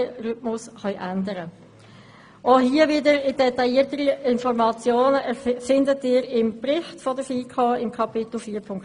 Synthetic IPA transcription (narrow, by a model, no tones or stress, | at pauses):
rʏtmʊsχœʏʔændəɾə | ʔoɦiːəʋɪdəɾɪd̥ɛtɑjiːətəɾiɪnfɔɾmɑt͡sjoːnəʔɛfɪndətɪːɾɪmpɾɪχtfɔdəfiːkʰɑːɪmkʰɑpɪtl̩fiːpʰʊŋk